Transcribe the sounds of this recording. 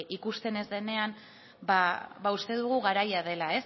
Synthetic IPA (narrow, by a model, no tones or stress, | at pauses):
ikust̪e̞ne̞zðe̞ne̞am | baβaust̪e̞ð̞uɣ̞uɣaɾajaðe̞lae̞s